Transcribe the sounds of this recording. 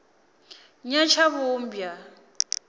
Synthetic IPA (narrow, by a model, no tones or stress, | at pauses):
ɲat͡ʃʰaβum̩bja